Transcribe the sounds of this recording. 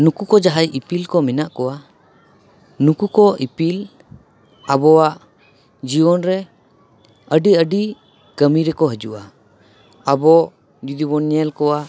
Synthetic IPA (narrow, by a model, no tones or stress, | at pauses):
nukukɔd͡ʒaɦajipilkɔminaʔkɔwa | nukukɔʔipil | abɔwaʔ | d͡ʒiwɔnɾɛ | əɖiəɖi | kəmiɾɛkɔɦəd͡ʒuʔa | əbɔ | d͡ʒud̪iβɔnɛlkɔwa